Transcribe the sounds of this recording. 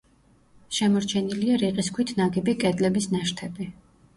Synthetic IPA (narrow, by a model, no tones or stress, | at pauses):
ʃɛmɔɾt͡ʃʰɛniliaɾiqʼiskʰwit̪ʰnaɡibikʼɛd̪lɛbisnaʃt̪ʰɛbi